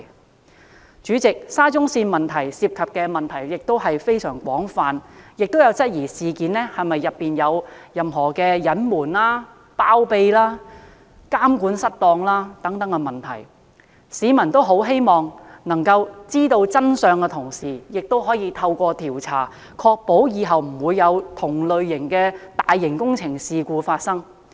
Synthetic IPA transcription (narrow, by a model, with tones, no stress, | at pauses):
t͡ʃyː˨˥t͡sɪ˨k̚saː˥t͡sʊ˥ŋsiː˧nmɐ˨nt̪ʰɐ˨˩jsiː˧p̚kʰɐ˨p̚kɛː˧mɐ˨nt̪ʰɐ˨˩jjɪ˨k̚t̪o˥wɦɐ˨jfe˥jsœː˨˩ŋkʷɔː˨˥ŋfaː˨njɪ˨k̚t̪o˥wjɐ˨˧wt͡sɐ˥t̚jiː˨˩siː˨kiː˨˥nlɛː˥hɐ˨jmɐ˨jːɐ˨pːiː˨njɐ˨˧wjɐ˨mɦɔː˨˩kɛː˧jɐ˨˥nmuː˨˩nlaː˥ | paː˥wpe˧jlaː˥ | kaː˥mkuː˨˥nsɐ˥t̚t̪ɔː˧ŋlaː˥t̪ɐ˨˥ŋt̪ɐ˨˥ŋkɛ˧mɐ˨nt̪ʰɐ̰˨˩j | siː˨˥mɐ˨˩nt̪o˥wɦo˨˥wɦe˥jmɔː˨ŋnɐ˨˩ŋkɐ˧wt͡siː˥t̪o˧wt͡sɐ˥nsœː˧ŋkɛ˧t̪ʰʊ˨˩ŋsiː˨˩jɪ˨k̚t̪o˥wɦɔː˨˥jiː˧t̪ʰɐ˧wkʷɔː˧t̪ʰiː˨˩wt͡sʰa̰ː˨˩ | kʰɔː˧k̚po˨˥wjiː˨˧ɦɐ˨wm̩˨˩wuː˨˧jːɐ˨˧wt̪ʰʊ˨˩ŋlɵ˨ɥːɪ˨˩ŋkɛː˧t̪aː˨jːɪ˨˩ŋkʊ˥ŋt͡sʰɪ˨˩ŋsiː˨kuː˧faː˧t̚sɐ˥ŋ